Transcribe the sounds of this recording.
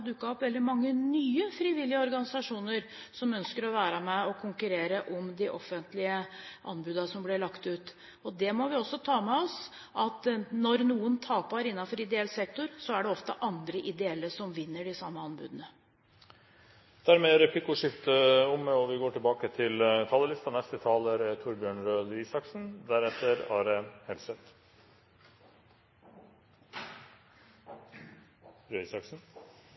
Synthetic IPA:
d̪ʉkːɑɔpʋɛld̪ɪmɑŋːənyːəfɾiːʋɪlːɪəɔɾɡɑnɪsɑʂuːnəɾ | sɔmœnskəɾɔʋæːɾəmɛɔkʰʊŋkʉɾeːɾəʔɔmd̪ɪʔɔfːənt̪lɪəʔɑnbʉːd̪ɑsɔmblɪɭɑkt̪ʉːt̪ | ɔd̪ɛmɔʋɪɔsːɔt̪ʰɑːmɛɔs | ʔɑt̪nɔɾnuːənt̪ʰɑːpɑɾɪnːɑfɔɾɪd̪ɛɛlsɛk̚t̪ʊɾsɔæɖɛɔft̪ə̰ʔɑnd̪ɾəʔɪd̪ɛɛlːəsɔmʋɪnːəɖɪsɑmːəɑnbʉ̰ːd̪ənə | d̪̥æɾmeːɾɛpʰlɪkʊʂɪft̪əʊmɔʋɪɡoːʈɪlbɑːkət̪ʰɪlt̪ʰɑːləlɪst̪ɑnɛst̪ət̪ʰɑːləɾt̪ʰʊɾbjøːɳɾøːd̪iːsɑksn̩d̪æɾɛt̪ːəɾɑːɾəhɛlsət̪ | ɾøisɑksn̩

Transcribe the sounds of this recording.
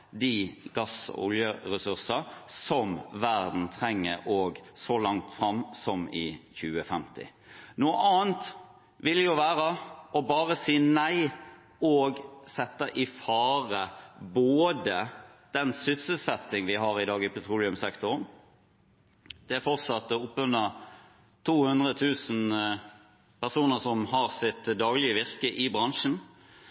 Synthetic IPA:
d̪ɪɡɑsɔ̰ʊljəʁɛsʉʁsɑsɔmʋæʁd̪n̩t̪ʰɾɛŋːəɾoːɡsɔlɑŋt̪fɾɑmːsɔmɪçʉːəfɛmt̪ɪ̰ | nuːəʔɑːnt̪ | ʋɪljʊʋæːʁəɔbɑːʁəsiːnæɪ | ɔːɡsɛt̪ːəʔɪfɑːʁəboːd̪əd̪̥ɛnsʏsəlsɛt̪ːɪŋʋɪɦɑːʁɪd̪ɑːɡɪpɛt̪ʰɾuːlɪʉmsɛkt̪ʰʊn | d̪̥ɛfɔʁt̪sɑt̪ːɔʊpːʉnə | t̪ʰuːhʉnd̪ʁət̪ʰʉːsn̩ | pʰæʁsuːnəsɔmhɑʁsɪt̪d̪ɑːɡlɪəʋɪʁkəʔɪbʁɑŋʂn̩

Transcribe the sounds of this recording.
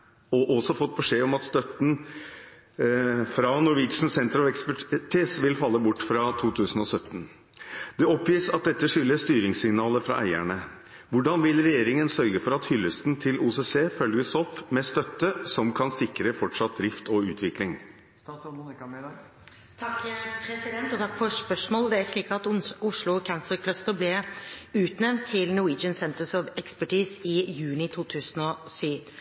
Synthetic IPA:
ɔʔɔsɔfɔt̪̚ːbɛʂeːɔmɑt̪st̪œt̪n̩ | fɾɑnʊɾʋɪːt̪ʂn̩sɛnt̪əɾɑʋɛkspæʈʰiːsʋɪlfɑlːəbʊʈːfɾɑt̪ʰuːt̪ʰʉːsn̩ɔsœt̪ːn̩ | d̪̥ɛɔpjiːsɑt̪̚d̪ɛt̪ːəʂʏlːəst̪yːɾɪŋsɪŋnɑːləfɾɑ̰ʔæ̰ɪæɳə | ʋʊɖɑnʋɪlɾɛjeːɾɪŋənsœɾɡəfɔɾɑt̪hʏlːəst̪nt̪ʰɪlʔuːseseːfœlɡəsɔpːmɛst̪œt̪ːəsɔmkʰɑnsɪkɾəfɔʈʂɑt̪̚d̪ɾɪft̪ʰɔʉːt̪ʰʋɪklɪŋ | t̪ʰɑkːpʰɾɛsɪd̪ɛnt̪ɔt̪ʰɑkːfɔʂpœʂmoːld̪ɛæɾʂɭiːkɑt̪ʊʂlʊkʰænsəɾkʰlœst̪əɾblɪʉːt̪nɛmt̪ʰːɪlnʊiːd͡ʒənsɛnt̪əsɔʋɛkspæʈʰiːsɪjʉːnɪt̪ʰuːt̪ʰʉːsənɔsyːʋ

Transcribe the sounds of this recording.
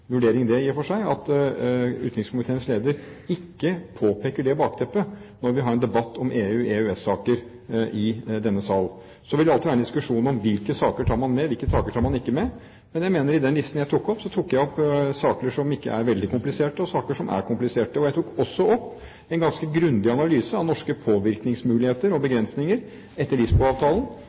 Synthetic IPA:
ʋʉɖeːɾɪŋd̪ɛjɪːfɔʂæɪɑt̪ | ʉːt̪ɪkŋskʰʊmɪt̪ʰeːənsleːd̪əɾ | ɪkːəpʰoːpʰeːkəɖɛbɑːkt̪ʰɛpːənɔɾʋɪɦɑɾɛnd̪ɛbɑt̪ːɔmʔeːʉːeːʉɛsɑːkəɾ | ʔɪd̪ɛnːəsɑl | sɔʋɪləɑlt̪ɪʋæɾɛnd̪ɪskʉʂuːnɔmʋɪlkəsɑːkəʈʰɑːɾmɑnmɛʋɪlkəsɑːkəʈʰɑːɾmɑnɪkːəmɛ | mɛnjæɪmeːnəɾɪd̪ɛnlɪst̪n̩jæɪt̪ʰukːɔpsɔt̪ʰuːkːjæɪɔpːsɑːk̪əʂɔmɪkːə̰æɾʋɛld̪ɪkʊmplɪseːʈəɔsɑːkəʂɔmʔæ̰ɾkʊmplɪseːʈəɔjæɪt̪ʰuːkɔsːɔɔpː | ɛnɡɑnskəɡɾʉnd̪ɪɑnɑlyːsəɑʋnɔʂkəpʰoːʋɪɾknɪŋsmʉːlɪheːt̪əɾɔbəɡɾɛnsnɪŋəɾ | ɛt̪ːəɭɪsbɔlɑːʋt̪ʰɑːlən

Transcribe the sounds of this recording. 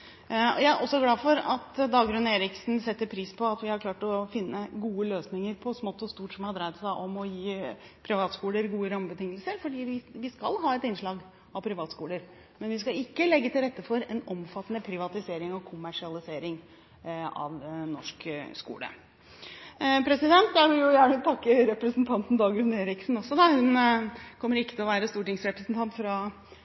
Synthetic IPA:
ɔ̰jæɪæɾʔɔsːɔɡlɑːfɔɾɑt̪d̪ɑːɡɾʉneːɾɪksnsɛt̪ːəɾpʰɾiːspʰɔɑt̪ʋɪhɑɾkʰlɑːʈɔfɪnːəɡuːəløːsnɪŋəɾpʰɔsmɔt̪ːɔst̪uːʈsɔmhɑd̪ɾæɪt̪sæʔɔmɔjiː | pʰɾɪʋɑːt̪skuːləɾɡuːəɾɑməbət̪ʰɪŋːəlsəɾfɔɖiːʋɪʋɪskɑlɦɑːɛt̪ɪnʂɭɑːɡ | ɑʋpʰɾɪʋɑːt̪skuːləɾ | mɛnʋɪskɑɪkːəlɛɡːət̪ʰɪlɾɛt̪ːəfɔɾɛnɔmfɑt̪ːənəpʰɾɪʋɑt̪ɪseːɾɪŋɔkʰʊmæʂɪɑlɪseːɾɪŋ | ɑ̰ʋnɔʂkskṵːlə̰ | pʰɾɛsɪd̪ɛnt̪̚d̪æɾʋɪljʊjæːɳət̪ʰɑkːəɾɛpɾəsnt̪ʰɑnt̪n̩d̪ɑːɡʉneːɾɪksn̩ɔsːɔd̪ɑhʉnkʰɔmːəɾɪkːət̪ʰɪlɔʋæːɾəst̪uːʈɪŋsɾɛpɾəsnt̪ɑnt̪fɾɑ

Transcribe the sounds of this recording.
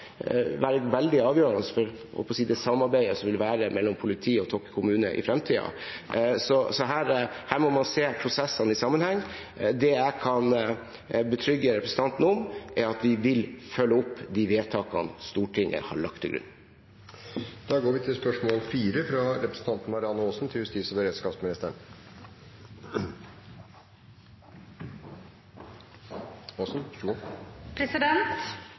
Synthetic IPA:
ʋæːɾəʋɛld̪ɪɑːʋjøːɾɑnəsfɔɾ | hɔ̰pɔsiːd̪ɛsɑmːɑɾbæɪəsɔmʋɪlʋæːɾəmɛlːɔmpʰʊlɪt̪ʰiːɔt̪ʰɔkːkʰʊmʉːnə̰ʔɪ̰fɾɛmt̪ʰiːɑ̰ | sɔsɔɦæːɾhæːɾmɔmɑnseːpʰɾʊsɛsːənɪsɑmːənhɛŋː | d̪ɛjæɪkʰɑn | bət̪ʰɾʏɡːəɾɛpɾəsn̩t̪ʰɑnt̪nəɔmʔæɾɑt̪ʋɪʋɪlfœlːəʊpːd̪ɪʋeːt̪ʰɑːkɑ̰nst̪uːʈʰɪŋʔə̰ɾhɑ̰ɭɑkt̪ʰːɪlɡɾʉ̰nː | d̪̥ɑːɡoːɾʋɪt̪ʰɪlspœʂmoːlfiːɾəfɾɑɾɛpɾəsn̩t̪ʰɑnt̪n̩mɑɾɪɑnəoːsn̩t̪ʰɪljʉst̪iːsəʋəɾeːd̪skɑːpsmɪnɪst̪əɳ | osn̩ʃɡɔpʰɾɛsɪd̪ɛnt̪

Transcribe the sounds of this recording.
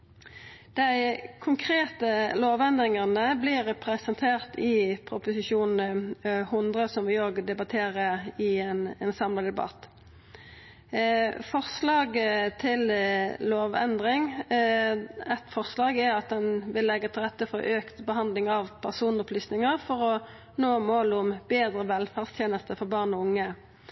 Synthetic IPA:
d̪̥æɪkʰʊŋkʰɾeːt̪əloːʋɛnd̪ʁɪŋənəblɪɾɛpʰɾɛsɛnt̪ʰeːʁt̪ɪpʰɾʊpʊsɪʃuːnn̩hʊnd̪ʁəsɔmʋɪoːɡd̪ɛbɑt̪ʰeːʁəɪɛnɛnsɑmləd̪ɛbɑ̰t̪ | fɔʁslɑːɡət̪ʰɪlloːʋɛ̰nd̪ʁɪŋ | ɛt̪fɔʁslɑːɡɛɾɑt̪̚d̪ɛnʋɪlːɛɡːət̪ʰɪlʁɛt̪ːəfɔʔøːkt̪bəɦɑnd̪lɪŋɑʋpʰæʁsuːnɔpʰlyːsnɪŋəʁfɔʁɔ | noːmoːlʊmbeːd̪ʁəʋɛlfæːʁst̪ʰjeːnəst̪əfɔʁbɑːʁnɔʊŋːə

